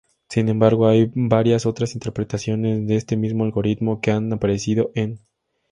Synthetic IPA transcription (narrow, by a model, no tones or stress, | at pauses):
sine̞mbaɾɣo̞ajbaɾjaso̞t̪ɾasint̪eɾpɾe̞t̪asjo̞ne̞zðe̞est̪e̞mizmoalɣo̞ɾit̪mo̞ke̞anapaɾe̞siðo̞ʔe̞n